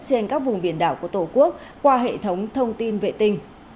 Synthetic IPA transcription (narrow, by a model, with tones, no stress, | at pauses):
t͡ɕe˧nkaː˦˥k̚vʊ˨˩ŋ͡mɓi˧˩ənɗa̰ː˧˩wku˧˩ət̪o˧˩ku˦˥ək̚kwaː˧ɦḛ˧˨t̪ʰə˨˦wŋ͡mt̪ʰə˧wŋ͡mt̪i˧nvḛ˧˨t̪ï˧ŋ̟